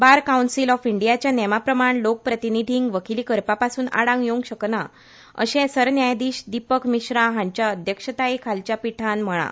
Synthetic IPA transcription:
baɾkawɳsilɔfiɳɖijat͡ɕjanɛmapɾəmaɳlok̚pɾət̪inid̪ʱiŋɡʋəkiliːkəɾpapasuːna̰ɽãŋɡjoŋɡɕəkna | ə̰ɕɛ̃səɾnjajd̪iːɕd̪ipəkmiɕɾaɦãɲt͡ɕjaəd̪ʱjəkʂət̪aikʰalt͡ɕjapiʈʰanm̤əɭ̃a̰

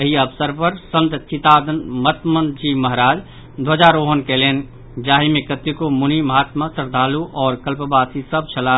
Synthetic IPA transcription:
əɦiɐbsəɾpəɾsə̃nt̪t͡ʃʰit̪aːd̪ənmət̪mənd͡ʒimɐɦɾaːd͡ʒ | d̪ʱod͡ʒaːɾoːɦənkeleːn | d͡ʒaːɦimẽkət̪jukomuniməɦaːt̪masəɾd̪ʱaːluʔɔːɾkəlpbaːsisəb̚t͡ʃʰɐlaː

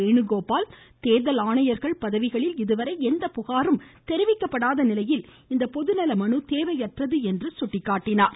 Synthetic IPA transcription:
eːɳɯɣoːpaːl | t̪eːðɐlaːɳɐjɐɾɣɐɭpɐðɐʋɪɣɐɭɪlɪðɯʋɐɾɐɪɛnd̪ɐpʊɣaːɾɯmt̪ɛɾɪʋɪkːɐpːɐɽaːðɐnɪlɐjɪl | ɪnd̪ɐpɔðɯnɐlɐmɐɳɯt̪eːʋɐɪɛʈrɐðɯɛndrɯsʊʈːɪkːaːʈːɪnaːɾ

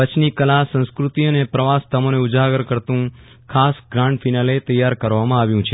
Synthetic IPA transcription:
ət͡ʃʰnikəlasə̃nskɾut̪ionepɾəʋast̪əmoneʊd͡ʒaɡəɾkəɾt̪ũ | kʰasɡɾãɳɖfʰinalet̪əjːaɾkəɾʋamãaʋjũt͡ʃʰe

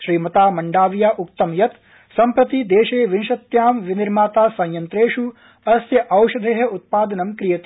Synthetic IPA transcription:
ʃɾiːmɐt̪aːmɐɳɖaːʋjaːʔuk̚t̪ɐmjɐt̪ | sɐmpɾɐt̪id̪eːʃeːʋinʃɐt̪jaːmʋiniɾmaːt̪aːsɐ̃jjɐnt̪ɾeːʃu | ɐsjɐʔɐwʃɐd̪ʱeːɦɐut̪̚paːd̪ɐnɐmkɾijɐt̪i

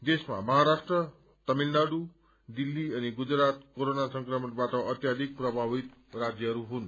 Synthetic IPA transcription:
d̪esma̰mʌɦaɾasʈrʌ | t̪ʌmilnaɽu | d̪ilːiʌniɡud͡zrat̪̚koɾonasʌŋkrʌmʌnbaʈʌʔʌt̪jad̪ʱik̚prʌbʱabit̪rad͡zjʌɦʌɾuɦun

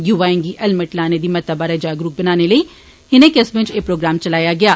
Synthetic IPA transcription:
juːʋaːɪ̃ŋɡiʔɛlmɪʈlaːned̪imɐt̪əbaɾed͡ʒaːɡɾuːk̚bɐnaːnelɐi | hɪnẽkesbẽt͡ʃeːpɾoːɡɾaːmt͡ʃɐlaːjaɡɐjaː

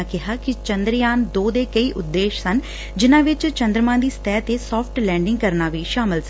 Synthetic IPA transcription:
kɪɦaːkɪt͡ʃənd̪ɾjaːnd̪oːd̪eːkəiːʔʊd̪ːeːʃsən | d͡ʒɪnãːʋɪt͡ʃt͡ʃə̃nd̪ɾəmãːd̪iːst̪ɛːt̪eːsɔːpʰʈlɛːɳɖɪŋɡkəɾnaːʋiːʃaːmɪls

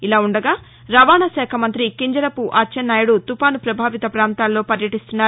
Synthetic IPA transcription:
ilaːuɳɖɐɡaː | ɾɐʋaːnɐʃɛːkʰɐmɐnt̪ɾikiɲd͡ʒɐɾɐpuʔaːt͡ʃɐnːaːjɐɽut̪upaːnupɾɐbʱaːʋit̪ɐpɾaːnt̪aːlːo̞ːpɐɾjɐʈist̪unːaː

